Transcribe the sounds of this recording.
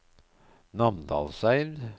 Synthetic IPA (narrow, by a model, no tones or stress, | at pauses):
nɑmd̪ɑ̰ːlsæɪɾ